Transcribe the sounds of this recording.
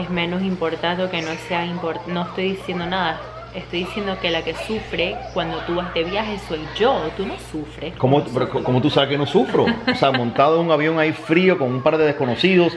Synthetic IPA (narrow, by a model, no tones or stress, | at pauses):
esmẽ̞no̞simpo̞ɾt̪ant̪oke̞noseaimpoɾt̪no̞est̪o̞jðisje̞nd̪o̞naða | e̞st̪o̞jðisje̞nd̪oke̞lake̞sufɾe̞kwand̪o̞t̪uβazðe̞βjahe̞so̞jʝo̞t̪uno̞sufɾekomopeɾokokomot̪usaβekenosufɾoseamont̪aðouŋaβjo̞ŋaifɾio̞koŋumpaɾðeðesko̞no̞siðo̞s